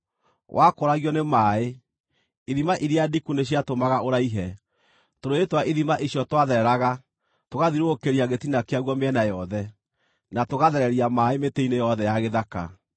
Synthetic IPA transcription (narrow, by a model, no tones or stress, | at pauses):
wʔakoɾaɣjɔnemaːe | iðimaʔiɾeadikuneɕ̬iatomaɣaoɾaiɦɛ | toɾoetwaʔiðimaʔiɕjɔtwaðɛɾɛɾaɣa | toɣaðiɾookeɾiaɣetinakeaɣwɔmeɛnajɔðɛ | natoɣaðɛɾɛɾiamaːemeteinejɔðɛjaɣeðaka̰